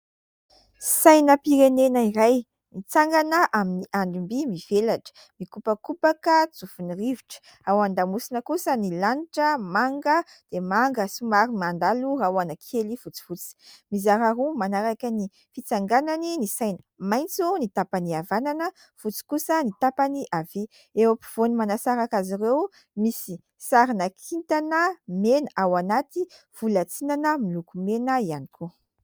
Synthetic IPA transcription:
sajnəpiɾenenəiɾaj | nit͡saŋɡanəʔaminiʔaɳɖ͡ʐimbimiv̥elaʈ͡ʂə̥ | mikupəkupakət͡sufuniriviʈ͡ʂə̥ | awand̪amusinəkusənilaniʈ͡ʂəmaŋɡə | d̪̥emaŋɡəsumaɾimand̪alurawanəkʰeliv̥ut͡si̥vut͡si̥mizaɾaɾumanaɾakʲəni | fit͡saŋɡananinisajnə̥majnt͡sunit̪apaniavananə | fut͡si̥kusənit̪apaniʔavi | ewapi̥v̥onimanasaɾakaziɾew | misi | saɾinakʰint̪anəmenawanat̪i | v̥ulat͡sinanəmilukumenəianikʰu

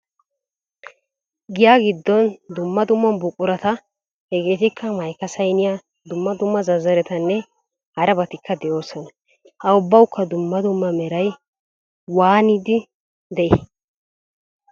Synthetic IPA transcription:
ɡɪjaːɡɪd̪ːɔnd̪ʊmːɐd̪ʊmːɐnbʊkʼːʊɾɐt̪ɐ | hɛɡeːt̪ɪkʰːɐmɐjkɐsɐjnɪja | d̪ʊmːɐd̪ʊmːɐzɐzɐɾɛt̪ɐnːɛ | hɐɾɐbɐt̪ɪkːɐd̪ɛjo̞ːsɔnɐ | hɐʊbːɐwʊkːɐd̪ʊmːɐd̪ʊmːɐmɛɾɐj | waːnɪd̪ɪ | d̪ɛʔɪ

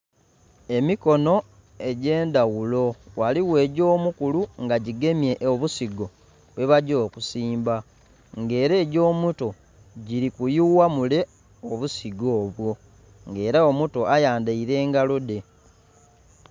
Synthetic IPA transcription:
e̞miko̞no̞ | e̞ɟe̞ːndawulo̞waliwe̞ːɟo̞ːmukuluŋɡaɟiɡe̞mje̞ʔoβusiɡo̞ | βwe̞βaɟo̞ːkusiːmba | ŋɡe̞ːɾe̞ːɟo̞ːmuto̞ | ɟiɾikujuwamule̞ | oβusiɡo̞ːβwo̞ | ŋɡe̞ːɾaomuto̞ajaːndaiɾe̞ːŋɡalode̞

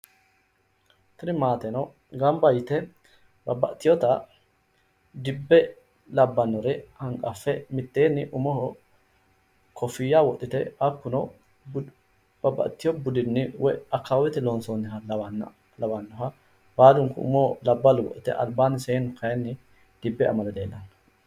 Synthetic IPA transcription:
t̪ɪɾɪmaːt̪ɛnɔ | ɡɐmbɐjɪt̪ɛ | bɐbːɐ̰ʔt̪ːɪjɔt̪ɐ | d̪ɪbːɛ | lɐbːɐnːɔɾɛhɐŋkʼɐfːɛmɪt̪ːeːnːɪʔʊmɔh | kʰɔfɪjawɔʔ̪ʼɪt̪ɛɐkːʊnɔ | b̥ɐbːɐ̰ʔt̪ːɪjɔbʊd̪ɪnːɪwɛɐkːawɪt̪ɪlonsoːnːɪhɐln | lɐbɐnːɔɦɐ | baːd̪ʊŋkʊʊ̰mɔlɐbːɐlʊwɔ̰ʔ̪ɪt̪ɛ̰ʔɐ̰lbaːnɪseːnʊkʰɐjɛnːɪ | d̪̥ɪbːɛɐ̰mɐlɛd̪eːlʔɐn

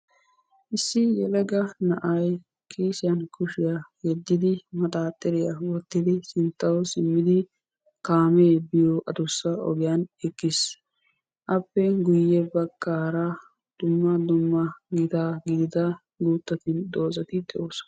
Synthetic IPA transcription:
ʔɪsːɪjɛlɛɡɐnɐʔɐj | kʰʼeːsɪjɐnkʊʃɪjaɡɛd̪ːɪd̪ɪmɐt̪ʼaːt̪ʼːɛɾɪjawɔt̪ːɪd̪ɪsɪnt̪ːɐwsɪmːɪd̪ɪ | kaːmeːbɪjoʔɐd̪ʊsːɐɔ̰ɡɪjɐnɛkːɪs | ʔɐpːɛɡʊjːɛbɐkːaːɾɐ | d̪̥ʊmːɐd̪ʊmːɐɡɪd̪aːɡɪd̪ɪd̪ɐ | ɡuːt̪ːɐt̪ɪnd̪o̞ːzɐt̪ɪd̪ʼɛʔoːs

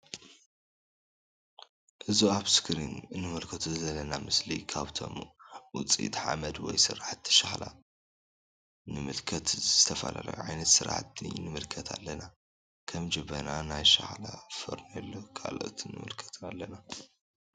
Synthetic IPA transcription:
ʔɨzuaβskʰɾinɨnːɨmɨlkʰɐt̪ʰuzɐlɐnamɨslḭkʰaβt̪ʰo̞̰mwʊt͡sʼḭt̪ħa̰mɐd̪wɔjsɨ̰ɾaħt̪ʰːʃaxla̰ | nɨmɨlkʰɐt̪zzɨt̪ʰɐfɐlʔa̰lɐ̰jṵʕajnɐt̪sɨɾa̰ħt̪ːḭnɨmɨlkʰɐt̪ʰalːɐna | kʰɐmd͡ʒɐβɐnanajʃa̰ħlafɐ̰ɾnɐlːokʰalo̰ʔt̪ʰnːɨ̰mɨ̰lkʰɐ̥t̪ʰnalːɐna

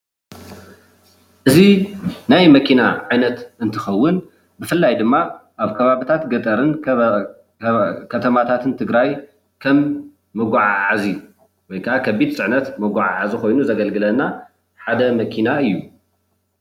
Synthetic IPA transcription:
ʔɨzinajmɐkʰinaʕajnɐt̪ɨnt̪ʰɨxɐwːɨn | bɨfɨlːajd̪ɨmːaʔaβkʰɐβaβit̪ʰat̪ɡɐt̪ʼɐɾɨn | kʰɐt̪ʰɐmat̪ʰat̪ʰɨnt̪ʰɨɡɾaj | kʰɐmː | ɨɡʷaʕaʕazi | wɔjkʰɐʔakʰɐβid̪sʼɨʕnɐt̪mɐɡʷaʕa̰ʕaziko̞jnuzɐɡɐlɡɨlɐna | ħad̪ɐmɐkʰinaɨjːu

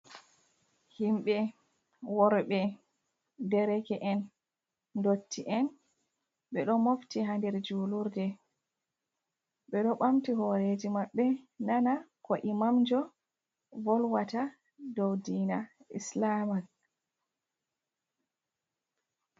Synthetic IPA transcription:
himɓɛ | wɔɾɓɛ | dɛɾɛkɛʔɛn | dotːiʔɛn | ɓɛɗɔmoftihandɛɾd͡ʒuːluɾdɛ | ɓɛɗɔɓamtihɔɾed͡ʒimaɓːɛnanakɔʔimamd͡ʒɔ | vɔlwata | dowdiːnaḭslamak̚

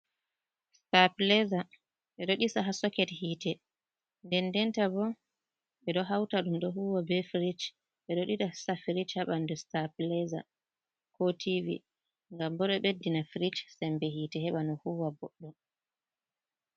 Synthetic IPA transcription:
staplɛza | ɓɛɗɔɗisaɦasɔkɛthiːtɛ | ndɛndɛntabɔ | ɓɛɗɔɦawtaɗumɗɔɦuwabɛfɾit͡ʃ | ɓɛɗɔɗitasafɾit͡ʃhaɓandɛstaplɛza̰ | kɔtʰivḭ | ŋɡambɔɗɔɓedːinafɾit͡ʃsɛmbɛhiːtɛhɛɓanɔhuwabɔɗːɔ

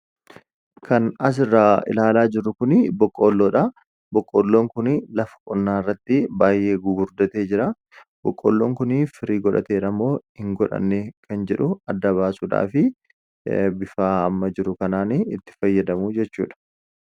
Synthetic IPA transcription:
kɐnɐs̬ɪrːaːɪ̰laːlaːd͡ʒɪɾʊkʊnɪbɔkʼːo̞ːlːoːᶑa | bɔkʼːoːlːo̞ːŋkʊnɪlɐfɐ̥kʼɔnːaːɪrːɐt̪ːɪbaːjʔe̞ːɡʊɡʊɾd̪ɐt̪e̞ːd͡ʒɪɾɐ | bɔkʼːo̰ːlːo̞ːŋkʊnɪfɪɾiːɡɔᶑɐ̰t̪e̞ːɾɐmːo̞ːhɪŋɡɔᶑɐ̰nːekʰɐnd͡ʒɛᶑʊɐd̪ːɐβaːsuːᶑa̰ːfɪ | bɪfaːɐmːɐd͡ʒɪɾʊkɐnaːnɪt̪ːɪ̥fɐjːɐd̪ɐmʊd͡ʒɛt͡ʃːṵːᶑɐ̥

